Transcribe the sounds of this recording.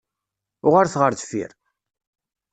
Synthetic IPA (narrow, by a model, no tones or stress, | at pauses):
ʊʁaɾθʁəɾðfḭɾ